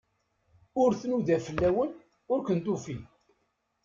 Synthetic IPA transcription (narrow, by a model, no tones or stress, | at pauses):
ʊɾθnuðæfəlːæwən | ʊɾkʷənt̪ufi